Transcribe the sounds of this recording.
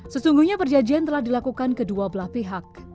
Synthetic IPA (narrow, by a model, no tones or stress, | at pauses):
səsuŋɡuɲapərd͡ʒad͡ʒiant̪əlahdilakukankəduabəlaspiɦak̚